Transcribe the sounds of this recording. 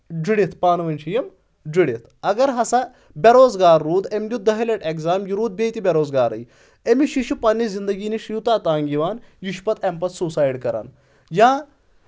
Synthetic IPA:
d͡ʒiɽit̪ʰpaːnɐʋɐnʲt͡ʃʰijɐm | d͡ziɽit̪ʰɐɡɐɾɦɐsɐ | bʲɐɾoːzɡaːɾːuːd̪emd̪ʲud̪ɐɦɐleʈekzaːmjiɾuːd̪̚beːt̪ibʲɐɾoːzɡaːɾɐ̰j | emiʃiʃupɐnːizind̪ɐɡiːniʂiwt̪aːt̪aːŋɡiʋaːnjuʃpɐt̪ʰempɐt̪suːsaːjɖkɐɾa̰n | jãː

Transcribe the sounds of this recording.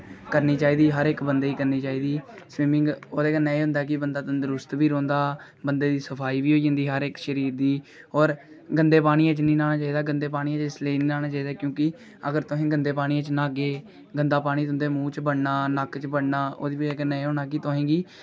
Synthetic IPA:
kəɾniːt͡ʃaːiːd̪iːɦəɾɪkbənd̪eːiːkəɾniːt͡ʃaːiːd̪iːsʋiːmɪ̃ŋɡoːd̪eːkənːeːĩːʊ̃nd̪aːk̬ɪbənd̪aːt̪ənd̪ɾʊst̪biːɾõːnd̪aː | bənd̪eːd̪iːsəpʰaːiːʋiːɦoːid͡ʒə̃nd̪iːɦəɾɪkʃəɾiːɾd̪iː | ɔːɾ | ɡənd̪eːpaːɽ̃iːãːt͡ʃnĩːnaːñaːt͡ʃaːiːd̪aːɡənd̪eːp̬aːɽ̃iːãːt͡ʃɪsleːnĩːnaːñaːt͡ʃaːiːd̪aːkjõːkɪ | əɡəɾt̪ʊɦẽːɡənd̪eːpaːɽ̃iːãt͡ʃnaːɡeː | ɡənd̪aːpaːɽ̃iːt̪ʊnd̪eːmũːt͡ʃbəɽnaːnəkt͡ʃbəɽnaːo̰ːd̪iːbekənẽːɦõːnaːkit̪ʊɦẽːɡiː

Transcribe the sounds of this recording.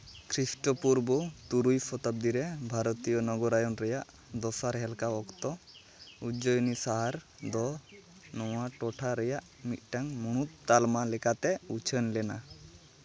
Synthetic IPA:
kʰɾisʈɔpuɾbɔt̪uɾujpʰɔt̪ap̚d̪iɾɛbʱaɾɔt̪ijɔnɔɡɔɾajɔnɾɛjaʔ | d̪ɔsaɾɦɛlkaɔkt̪ɔ | ud͡ʒɔjɔnisaɦaɾ | d̪ɔ | nɔwaʈɔʈʰaɾɛjaʔ | mit̪̚ˀʈaŋmuɽ̃ut̪̚ːalmalɛkat̪ɛut͡ʃʰənlɛna

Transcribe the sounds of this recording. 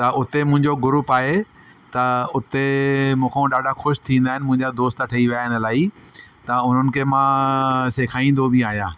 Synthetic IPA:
t̪ɐʊt̪emʊ̃ɦɪ̃ɲd͡ʑoɡʊɾuːpaːɦe | t̪ɐʊt̪emũːkʰẽɗaːɖʱaxʊʃt̪ʰĩːn̆d̪aːɦɪnɪmʊ̃ɦɪ̃ɲd͡ʑad̪oːst̪ʈʰɐiʋijaːɦɪnə̆laːit̪ɐʊn̤ənɪ̆kʰeːmãːseːkʰaːĩːn̆d̪obʱiaːɦijãː

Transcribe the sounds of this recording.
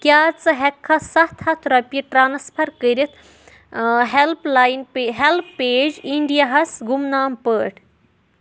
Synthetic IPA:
kʲjaːt͡sɨɦɛkʰːɐsɐht̪ʰhɐt̪ʰɾɐpʲiʈɾaːnɐspʰɐɾkəɾit̪ | ɦelplaːjnpeɦelpːeːd͡ʒiɳɖijaɦɐsɡumnaːmpəːʈʰ

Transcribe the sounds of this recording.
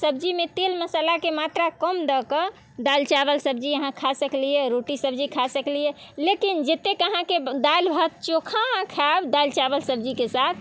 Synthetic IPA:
səbd͡ʒimet̪elməsəlakemat̪ɾakəmd̪əkə | d̪alt͡ʃabəlsəbd͡ʒiəɦãkʰasəklijɛɾoʈisəbd͡ʒikʰasəklijɛlekind͡ʒet̪ːekəɦãked̪albʱət̪̚t͡ʃokʰakʰabd̪alt͡ʃabəlsəb̚d͡ʒikesat̪ʰ

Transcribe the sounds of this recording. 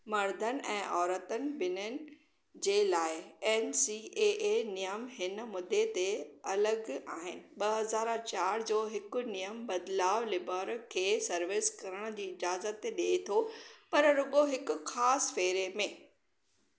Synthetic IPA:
mɐɾd̪ʱənɪ̆ʔɛ̰̃ːʔɔːɾət̪ənɪ̆bɪnənɪ̆ | d͡ʑeːlaːɪɛːnsieːʔenijəmɦɪnəmʊd̪ʱːet̪eɐləɡaːɦɪnɪ̆ɓɐɦɐzaːɾt͡ɕaːɾd͡ʑoːɦɪkʊ̆nijəmbɐd̪laːʋlɪbaːɾkʰeːsɐɾʋɪskɐɾəɽ̃d͡ʑiːɪd͡ʑaːzət̪ɗiet̪ʰopɐɾɾʊɠoɦɪkʊxaːsfeːɾemẽː

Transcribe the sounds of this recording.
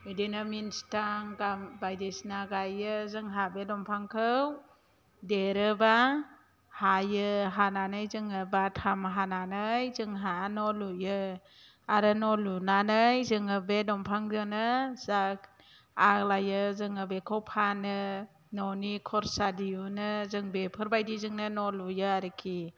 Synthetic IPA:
idinaminstaŋɡambajdesnaɡajɯzɯŋɦabedɔmpʰaŋkʰɯw | deɾɯba | hajɯɦananɯjzɯŋɯbatʰamɦananɯjzɯŋɦanɔlujɯ | aɾɯnɔlunanɯjzɯŋɯbedɔmpʰaŋdɯnɯzak | alajɯzɯŋɯbekʰɔwpʰanɯ | nɔnikʰɔɾsadiunɯzɯŋbepʰɯɾbajdizɯŋnɯnɔlujɯaɾɯkʰi

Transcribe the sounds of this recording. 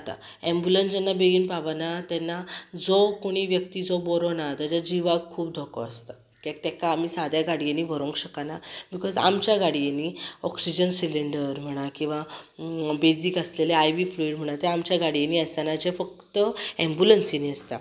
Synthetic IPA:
at̪a̰ | ɛ̃mbjulənsd͡ʑanːabeɡiːnpaʋanat̪ɛnːad͡zɔkoɽ̃iːʋjək̚t̪iːd͡zɔbɔɾɔnat̪ad͡ʑad͡ʑiʋaɡkʰːuːpd̪ʱokɔ̰əst̪a | kɛk̚t̪ɛkaːmiːsad̪ʱjaɡaɽieniːʋəɾõŋkɕəkanabikɔza̰mt͡ɕjaɡaɽieniɔksid͡ʑənsiliɳɖəɾm̤əɽ̃akĩw̃ʋa | bed͡zikəsleleajʋifluiɖm̤əɽ̃at̪eamt͡ɕjaɡaɽieniast̪anad͡ʑefək̚t̪əɛ̃mbulənseniəst̪a̰

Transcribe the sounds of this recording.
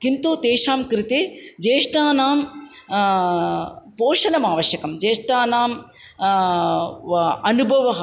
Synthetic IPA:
kint̪uːt̪eːʃaːmkɾit̪ed͡ʒeːʂʈaːnaːm | poːʂɐnɐmaːʋɐʃjɐkɐmd͡ʒeːʂʈaːnaːm | ɐnubʱɐʋɐɦɐ

